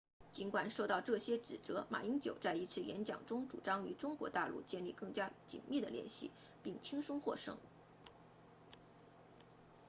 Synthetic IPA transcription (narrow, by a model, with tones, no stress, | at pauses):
t͡ɕi˧˥nkwa˨˩nʂo˥˧ʊt̪ɑ˥˧ʊʈ͡ʂɤ˥˩ɕjɛ˥ʈ͡ʂɻ̩˨˩t͡sɤ˧˥ma̰˨˩i˥ŋt͡ɕjo˨˩ʊt͡sa˥˧ɪi˧˥t͡sʰɹ̩˥˩jɛ̰˧˥nt͡ɕjɑ̰˨˩ŋʈ͡ʂʊ˥ŋʈ͡ʂṵ˨˩ʈ͡ʂɑ˥ŋy˧˥ʈ͡ʂʊ˥ŋkwɔ̰˧˥t̪a˥˧lṵ˥˧t͡ɕjɛ˥˧nli˥˧kɤ˥˩ŋt͡ɕja˥t͡ɕḭ˨˩nmi˥˩d̪ə̰˩ljɛ̰˥˧nɕḭ˥˩ | pi˥˩ŋt͡ɕʰi˥ŋʂʊ˥ŋxwɔ̰˥˧ʂɤ̰˥ŋ